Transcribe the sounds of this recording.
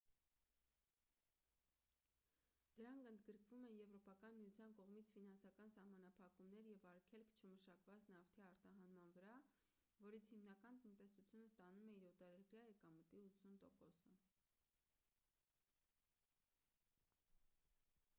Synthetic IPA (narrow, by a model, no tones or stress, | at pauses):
d̪̥əɾɑŋkʰənd̪ɡəɾkʰvumɛnjɛvɾɔpɑkɑnmijut͡sʰjɑnkɔʁmit͡sʰfinɑnsɑkɑnsɑhmɑnɑpʰɑkumnɛɾjɛvɑɾkʰɛlkʰt͡ʃʰəməʃɑkvɑt͡snɑft̪ʰiɑɾt̪ɑɦɑnmɑnvəɾɑ | vɔɾit͡sʰhimnɑkɑnt̪ənt̪ɛsut͡sʰjunəst̪ɑnumɛiɾɔt̪ɑɾɛpjɑɛkɑmət̪iut͡sʰunt̪ɔkɔsə